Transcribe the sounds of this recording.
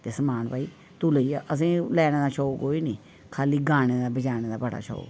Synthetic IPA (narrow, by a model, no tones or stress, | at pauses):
t̪eːsəmaːnpaːiː | t̪uːləiːaːʔəs̬ĩːlɛːnẽːd̪aːʃʰoːkoːiːniː | kʰaːliːɡaːneːd̪aːbəd͡ʒaːneːd̪aːbəɽa̰ːt͡ʃʰo̰ː